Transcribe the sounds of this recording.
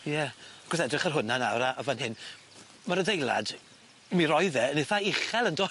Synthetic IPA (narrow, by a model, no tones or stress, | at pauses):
jɛɡ̥ʊsɛdrɪχərɦʊnanawɾaʔːvanɦɪn | maɾədejlˠa̰d̥ | miɾɔɨðɛnɪθaɪχɛlˠəndoː